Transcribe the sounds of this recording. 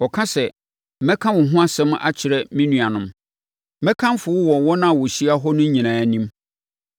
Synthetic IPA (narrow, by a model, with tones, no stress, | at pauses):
ɔ˨kʰã˦sɛ˨ | mɛ̃˦kʰã˦wɔ̃˨ɦʊ̃˦a˦sɛ̃˦m˦a̰˦t͡ɕʰɪ˨ɾɛ˦mĩ˦nũ˨a˨nʊ̃˦m˦ | mɛ̃˦kʰã˦mfʊ˨˦wʊ˦wɔ˨wɔ˦nã˦˨wɔ˨ɕi˦a˦ɦɔ˦nʊ̃˦ɲ˦ɲĩ˨nãː˨nĩ˦m